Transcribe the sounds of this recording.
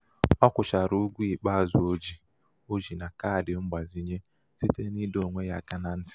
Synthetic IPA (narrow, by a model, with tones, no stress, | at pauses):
ɔ˦kʷʊ˨ʃa˨ɾu˦u˦ɡʷu˦i˨k͡pa˦a˨zʊ˨o˦d͡ʒi˨ | o˦d͡ʒi˨na˨ka˦a˨dɪ˨ŋ͡m̩˦ɡ͡ba˨zi˦ɲe˦ | si˦te˦ni˦do˨ŋʷe˦ja̰˨ka˦na˨n̩˦tɪ̥˦